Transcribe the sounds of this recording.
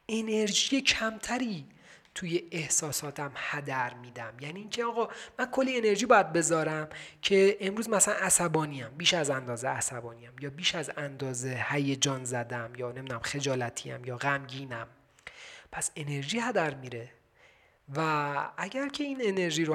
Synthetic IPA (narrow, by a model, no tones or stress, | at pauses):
e̞ne̞ɾʒijecʰæmt̪ʰæɾiː | t̪ʰuje̞ehsɒːsɒːt̪ʰæmhæd̪æɾmiːd̪æmjæːniːiːncʰeɒːɣɒːmænkʰolːiene̞ɾʒiːbɒːjæd̪̚be̞zɒːɾæmcʰe̞emɾuːzmænæsælænæsæbɒːniːæmbiːʃæzænd̪ɒːzeæsæbɒːniːæmjɒːbiːʃæzænd̪ɒːze̞hæjed͡ʒɒːnzæd̪æmjɒːnemid̪unæmxe̞d͡ʒɒːlæt̪ʰḭːæ̰mjɒːɣæmɟiːnæm | pʰæse̞ne̞ɾʒiːhæd̪æɾmiːɾe̞ | vææɟæɾcʰe̞iːnene̞ɾʒiːɾo